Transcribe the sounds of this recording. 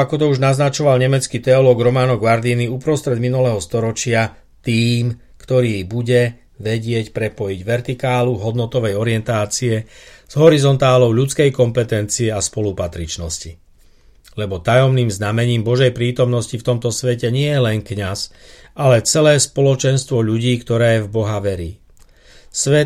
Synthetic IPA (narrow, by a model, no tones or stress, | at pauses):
akɔt̪ɔuʒnaznat͡ʃɔʋalɲɛmɛt͡skit̪ɛɔlɔːɡɾɔmaːnɔɡʋaɾd̪iniupɾɔst̪ɾɛd̪minulɛɦɔst̪ɔɾɔt͡ʃɪa | t̪iːm | kt̪ɔɾiːbuɟɛ | ʋɛɟɪɛcpɾɛpɔjiɟʋɛɾt̪ikaːluɦɔd̪nɔt̪ɔʋɛjɔɾɪɛnt̪aːt͡siɛz̥ɦɔɾizɔnt̪aːlɔʊʎut͡skɛjkɔmpɛt̪ɛnt͡siɛaspɔlupat̪ɾit͡ʃnɔsci | lɛbɔt̪ajɔmniːmznamɛɲiːmbɔʒɛjpɾiːt̪ɔmnɔscift̪ɔmt̪ɔsʋɛcɛɲɪɛlɛŋkɲas | ʔalɛt͡sɛlɛːspɔlɔt͡ʃɛnst̪ʋɔʎuɟiːkt̪ɔɾɛːvbɔɦaʋɛɾiː | sʋɛ